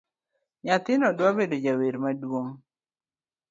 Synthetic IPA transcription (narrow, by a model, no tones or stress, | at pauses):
ɲat̪ɪnɔdwabedod͡ʒaweɾmadwoŋ